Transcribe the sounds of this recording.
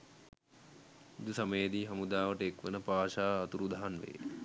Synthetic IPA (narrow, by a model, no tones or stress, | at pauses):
id̪usaməjəd̪iːɦamud̪aːʋəʈəekʋənəpaːʃaːt̪uɾud̪ʱaɦanʋḛː